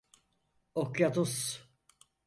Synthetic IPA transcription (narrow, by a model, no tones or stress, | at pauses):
okjat̪us